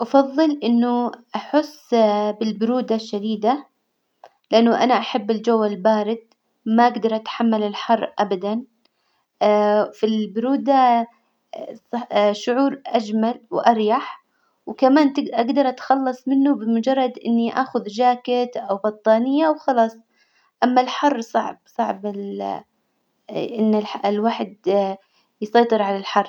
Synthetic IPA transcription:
ʔɑfɑðˤːɨlʔɪnːʊʔaħʊsːbɪlbʊɾuːd̪aʃːad̪iːd̪a | lɪʔanːʊʔanaʔaħabːɪld͡ʒawːalbaːɾɪd̪̚ | maʔaɡd̪ɑɾˤʔat̪ħamːalɪlħɑrˤːʔabad̪an | filbʊɾuːd̪a | ʃʊʕuːɾʔad͡ʒmalwʔɑɾjaħ | wkamaːnt̪ɪʔaɡd̪ɑɾˤʔat̪xɑlːɑsˤmɪnːubɪmʊd͡ʒɑrˤːɑd̪ʔɪ̰nːiʔaːxʊðd͡ʒaːkɪt̪ʔawbɑt̪ˤːɑːnɪjːawxɑlɑːsˤ | ʔamːalħɑrˤːsˤɑʕb̚sˤɑʕbɪl | ʔɪnːɪlħlwaːħd̪ | jsˤɑjt̪ˤɨɾʕalalħɑrˤː

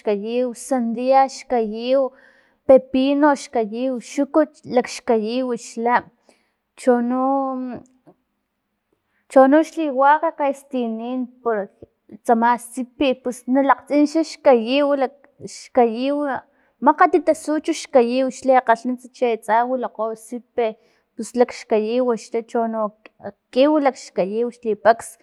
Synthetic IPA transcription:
kajiwsand̪iaʃkajiw | pepinoʃkajiwʃukut͡ʃlakʃkajiwiʃla | t͡ʃonu | t͡ʃonuʃliwakakaist̪iniːnpoɾ | t͡samast͡sipepusnalaqt͡sʼinʃaʃkajiwlak | ʃkajiw | maqat̪it̪asut͡ʃuʃkajiwʃliqaɬnint͡sat͡ʃat͡sawilaqosipe | puslakʃkajiwaʃlat͡ʃonokiwilakʃkajiwʃlipaks

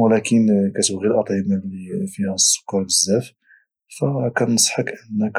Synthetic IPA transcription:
wlækənkæt̪əbɣilʔɑt̪ˤʕəmalifihæsˤːʊ̥kːɑɾləzːæf | fækænəsˤħɑkʔənːək

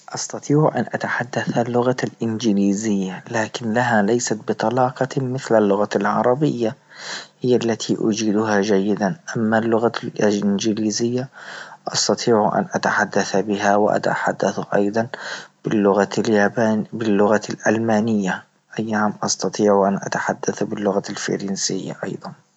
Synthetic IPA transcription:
ʔɑst̪ɑt̪ˤiːʕʔanʔat̪aħad̪ːaθalːʊɣalʔɪnd͡ʒɪliːzɪjːalaːkɪnlaɦalajsat̪̚bɪt̪ˤɑlɑːqɑmɪθlalːʊɣalʕɑ̰ɾˤɑbɪjːa | hɪjːalːat̪ʰiʔʊ̰d͡ʒiːd̪ʊɦad͡ʒajːɪd̪anʔamːalːʊɣalʔɪnd͡ʒɪliːzɪjːaʔɑst̪ɑt̪ˤʰiːʕuʔa̰nʔat̪aħad̪ːaθbɪɦawɪʔa̰t̪a̰ħa̰d̪ːaθʔɑ̰jd̪ˤɑnb̥ɪlːʊɣaabanbɪlːʊɣalʔalmaːnɪjːa | ʔajːahamʔɑst̪ɑt̪ˤiːʕuʔanʔa̰t̪aħad̪ːaθbɪlːʊɣalfḭɾiːnsɪjːa̰ʔɑ̰jðˤɑn

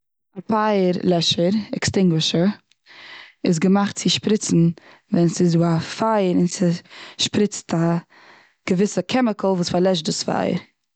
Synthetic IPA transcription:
apʰaɪəɾlˠɛʃəɾɛkstɪŋɡwɪʃəɾ | ɪs̬ɡəmaχt̚t͡sɪʃpɾɪt͡sn̩ | vɛnsɪzuːafaɪəɾɪnsɪʃpɾɪt͡stʰa | ɡ̥əvɪsəkʰɛmɪkəl̩ˠvuːsfaɾlˠɛʃdɪsfa̰ɪə̰ɾ

